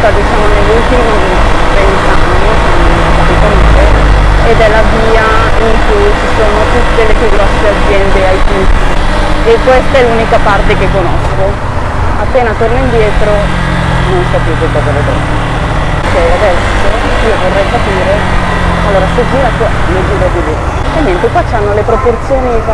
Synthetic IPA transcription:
t̪ad̪it͡ʃaːmonelːult̪imi | t̪ɛnt̪anːisam | k̪at̪ikonaːɾe | ed̪ɛlːaviːa | iŋkujt͡ʃisoːnot̪ut̪ːelet̪ːuɡɾɔsːead̪zːjɛnd̪eajfun | ekːwest̪aɛlːuːnikapart̪ekekːonɔsko | apːeːnat̪ornoind̪jɛːt̪ɾo | nonsɔpikekːɔzalet̪ɾat̪ite | t͡ʃɛjad̪ɛso | iːovorrɛjkapiːɾe | alːoːɾased͡ʒiːɾakoled͡ʒiːɾad̪ide | ɛɲːɛnt̪ekwat͡ʃːanːolepɾoport̪sjoːni

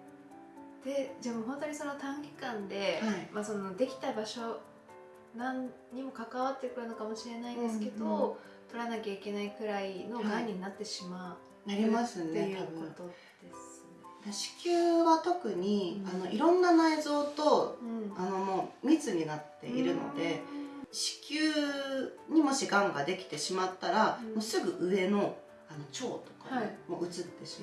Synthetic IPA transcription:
d̪̥e̞d͡ʑaːmoɦõ̞nt̪o̞ɲ̟iso̞no̞t̪ãŋɡʲi̥kãnd̪e̞haimaso̞no̞d̪e̞kʲi̥t̪abaɕo̞ | nãn | ɲ̟imo̞kakaβat̪ːe̞kɯ̟ɾɯ̟no̞kamo̞ɕiɾe̞naind̪e̞sɨ̥ke̞d̪o̞ | t̪o̞ɾanakʲaike̞naikɯ̟ɾaino̞ɡaɲ̟inat̪ːe̞ɕima | aɾʲimasɨnejɯako̞t̪o̞ | d̪̥es | d̪eɕi̥kʲɨːβat̪o̞kɯ̟ɲ̟iano̞ʔiɾõ̞nːanaizo̞ːt̪o̞ano̞mo̞ːmʲit͡sɨɲ̟inat̪ːe̞̰ʔiɾɯ̟no̞̰d̪e̞ɕi̥kʲɨː | ɲ̟imo̞ɕiɡãŋɡad̪e̞kʲi̥t̪e̞ɕimat̪ːaɾamo̞sɨɡɯ̟ʔɯ̟e̞no̞ | ano̞t͡ɕo̞ːt̪o̞kḁmo̞ʔɯ̟t͡sɨt̪ːe̞ɕim

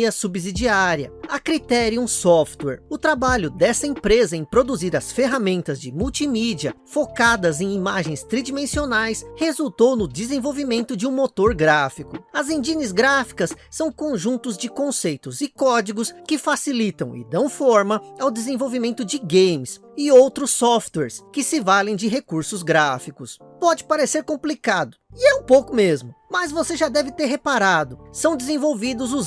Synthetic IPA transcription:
ɐsubizid͡ʒiaɾiɐ̰ɐkɾit̪ɛɾjũsɔft̪wɛ̰ɾʊt̪ɾabaʎʊd̪ɛsɐẽpɾezɐẽj̃pɾod̪uziɾɐsfeɦamẽnt̪ɐzd͡ʒɪmuwt͡ʃimid͡ʒiɐfokad̪ɐzẽj̃imaʒẽj̃st̪ɾid͡ʒimẽsionajshezuwt̪ownʊd͡ʒ̪ɪzẽvowvimẽnt̪ʊd͡ʒɪũmot̪oɾɡɾafikʊɐzẽd͡ʒinɪzɡɾafi̥kɐsːɐ̃w̃kõʒũnt̪ʊzd͡ʒɪkõsejt̪ʊzɪkɔd͡ʒiɡʊskɪfasilit̪ɐ̃w̃ɪ̰d̪ɐ̃w̃fɔɾmɐawd̪ezẽvowvimẽnt̪ʊd͡ʒɪɡẽjmɪs | ɪowt̪ɾʊsɔft̪wɛɾskɪsɪvalẽj̃d͡ʒɪɦekuɾsʊzɡɾafikʊs | pɔd͡ʒɪpaɾeseɾkõplikad̪ʊɪɛũpowkʊmezmʊmɐzvoseʒad̪ɛvɪt̪eɾɦepaɾad̪ʊsɐ̃w̃d̪ɪzẽvowvid̪ʊzʊz

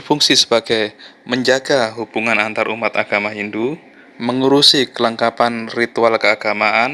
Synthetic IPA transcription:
əfuŋsisə̥baɡ̥ajməɲd͡ʒaɡaɦub̥uŋanant̪aɾumat̪aɡ̥amaɦindu | məŋuɾusikələŋkapanrit̪ualkəaɡ̥amaʔan

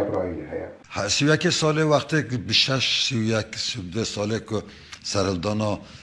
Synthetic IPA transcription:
bɾɑjihɛjɛ̰ | hsiwujɛkesɑːlewaχt̪ekbəʃɛʃsiwjɛksiwud̪esɑːlekʊ | sæɾhəld̪ɔːnɑ

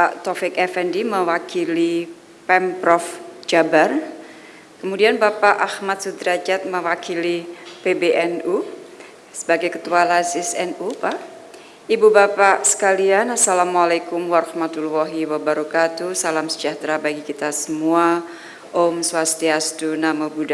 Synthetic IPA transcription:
paʔt̪ɔfɛkɛfɛndiməwakili | pɛmpɾɔfd͡ʒabar | kəmudianbapaʔahmat̪̚sud̪ɾad͡ʒat̪̚məwakilipebeʔɛnu | səbaɡajkət̪ualasisɛnupaʔ | ibubapaʔsə̥kalianasalamalakumwaɾɔhmat̪ulːɔɦiwabaɾɔkat̪usalamsə̥d͡ʒaht̪ɾabaɡikit̪asəmua | ʔomswast̪iasdunaməbuda

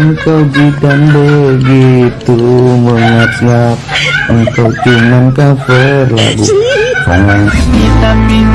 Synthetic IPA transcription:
əŋkawd͡ʒit̪anbəɡet̪uməŋat̪̚ŋat̪̚əŋkawt̪imankafərla̰ɡukʰɔŋan

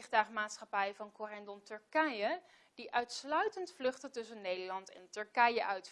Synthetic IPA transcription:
χdaːχmaːtsχɑpɛjəvɑnkɔrɛndɔntɵɹkɛjə | d̥iʔœɥtslœɥtəntflɵχtətɵsənːejdəɹlɑntɛ̰ntɵɹkɛjəʔœɥt

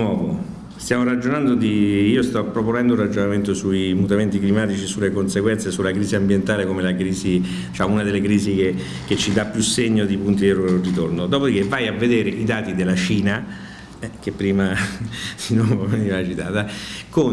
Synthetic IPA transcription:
wɔːvo | st̪jaːmoɾad͡ʒonand̪od̪iiːost̪ɔpːɾoponɛnd̪ounrad͡ʒonament̪osuimut̪ament̪iklimaːt̪it͡ʃisulːekonseɡwɛnsesulakɾiːziambjent̪aːlekomelakɾiːzi | d̪it͡ʃaːmunad̪elːekɾiːzik̟e | k̟et͡ʃːid̪apːjusːeɲːod̪ipunt̪ierit̪ornod̪ɔːpod̪ik̟evːajavːed̪eːɾeʔid̪aːt̪id̪elːat͡ʃiːna | ɛk̟epːɾiːmasinoveniːvat͡ʃit̪a̰ːt̪ako

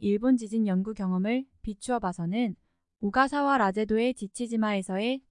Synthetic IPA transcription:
iɭbond͡ʑid͡ʑinjʌnɡuɡjʌŋʌmɯɭpit͡ɕʰuʌbasʰʌnɯn | uɡasʰawaɾad͡ʑe̞doe̞t͡ɕit͡ɕʰid͡ʑimae̞sʰʌe̞

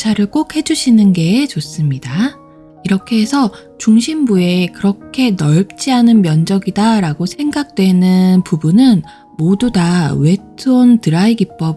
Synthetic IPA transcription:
t͡ɕʰaɾɯɭk͈ok̚he̞d͡ʑuɕʰinɯnɡe̞ːt͡ɕos͈ɯmɲida | iɾʌkʰe̞esʰʌ | t͡ɕuŋɕʰimbue̞kɯɾʌkʰe̞nʌɭp̚t͡ɕ͈iɦanɯnmjʌnd͡ʑʌɡidaɾaɡosʰe̞ŋɡak̚t͈we̞nɯnpubunɯn | modudawe̞tʰɯontɯɾaiɡip͈̚ʌb

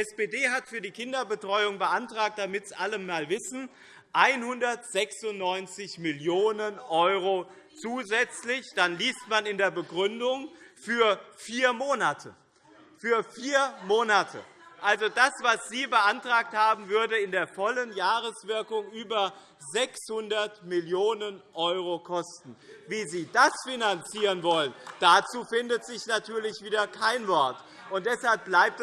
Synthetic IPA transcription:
ɛsb̥eːdeːɦatfyːɐdiːkʰɪndɐbətʁ̥ɔʏʊŋbəʔantʁ̥aːk̚td̥amɪtsʔaləmːaːlvɪsn̩ | ʔaɪnhʊndɐtz̥ɛksʊntnːɔʏnt͡sɪçmɪljoːnənʔɔʏʁo | t͡suːzɛt͡slɪçd̥anliːstmanɪndeːɐbəɡʁʏndʊŋfyːɐfiːɐmoːnatʰə | fyːɐfiːɐmoːnatʰə̰ | ʔalzodasv̥asz̥iːbəʔantʁ̥aːk̚thaːbm̩vʏɐdəɪndeːɐfɔlənjaːʁəsv̥ɪɐkʊŋʔyːbɐ | zɛkshʊndɐtmɪljoːnənʔɔʏʁ̞okʰɔstn̩viːziːdasfinant͡siːʁənvɔlənd̥at͡suːfɪndətz̥ɪçnatʰyːɐlɪçv̥iːdɐkʰaɪnvɔɐt | ʔʊnt̚d̥ɛshalp̚b̥laɪp̚t

